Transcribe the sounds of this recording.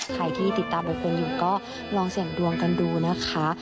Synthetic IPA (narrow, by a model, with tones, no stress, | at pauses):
kʰa˨˧˩jt̪ʰiː˥˩t̪i˨˩t̪ːaː˧mba˧˩pe˧njuː˨˩kɔː˥˩ | lɔː˧ŋsi˨˩əŋdu˧əŋka˧nduː˧na˥˩kʰa˦˥